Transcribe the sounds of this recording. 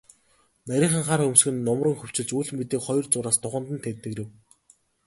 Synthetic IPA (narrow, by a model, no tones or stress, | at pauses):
næɾʲiːɴχə̆ŋχarxɵmsxɘ̆nːɔmrɞ̆ŋxɵw̥t͡ɕɪ̆ɮt͡ɕuːɮ̆mit̪iːkχɔjɞ̆rt͡sʊɾaːst̪ʊʁə̆nt̪ə̆nt̪ʰet̪ːɘ̆kĕw